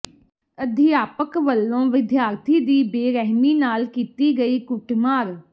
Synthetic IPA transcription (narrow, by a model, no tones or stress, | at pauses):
əd̪ʱɪjaːpəkʋəlːõːʋɪd̪jaːɾt̪ʰiːd̪iːbeːɾɛɦmiːnaːlkiːt̪iːɡəiːkʊʈmaːɾ